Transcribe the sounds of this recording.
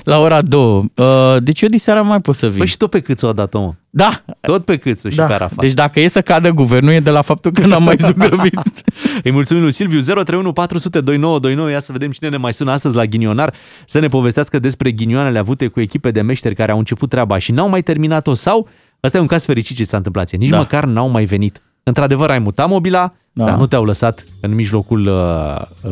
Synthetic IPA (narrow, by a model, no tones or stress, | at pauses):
lao̞ɾad̪o̞əəd̪e̞t͡ʃjod̪iseaɾamajpot̪səvibəʃi̥t̪o̞t̪̚pe̞kɨt̪soad̪at̪omə̰d̪at̪o̞t̪̚pe̞kɨt̪soiapea̰ɾa̰fa̰d̪e̞t͡ʃʲd̪akəje̞səkad̪əɡuvernujed̪e̞lafap̚t̪ulkənamːajzuɡɾəvit̪ɨjmult̪sumimlujsilvjuze̞ɾo̞t̪ɾejunupat̪ɾusut̪e̞d̪o̞jno̞wəd̪o̞jnowəjasəve̞d̪e̞mt͡ʃine̞nemajsunəast̪əzʲlaɡʲinio̞nar | səne̞po̞ve̞s̬t̪easkəd̪e̞spɾe̞ɡʲinioanele̞avut̪e̞kue̞kʲipe̞d̪e̞me̞ʃt̪e̞rʲkaɾeawɨnt͡ʃe̞put̪ːɾeabaʃinawmajt̪e̞rminat̪o̞saw | əst̪aje̞uŋkaz̥fe̞ɾit͡ʃit̪̚t͡ʃesant̪ɨmplat̪sjenit͡ʃməkarnawmajve̞nit̪ | ɨnt̪ɾad̪e̞vəɾajmut̪amo̞bila | dd̪a̰nut̪eawləsat̪ɨnmiʒlo̞kulə